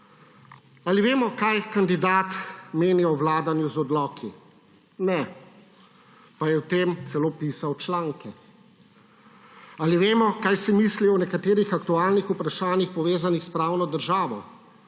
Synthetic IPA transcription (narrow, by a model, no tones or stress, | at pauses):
aliʋeːmɔkajkand̪id̪aːt̪meːniɔwʋlaːd̪anjuzɔd̪lɔːkʰi | nɛ | pajɛwt̪emt̪sɛloːpiːsawt͡ʃlaːŋkɛ | aliʋeːmɔkaːjsimiːsliɔwnɛkat̪eːɾixak̚t̪uaːlnixupɾaʃaːnixpɔʋeːzanixspɾaːwnɔd̪əɾʒaːʋɔ̰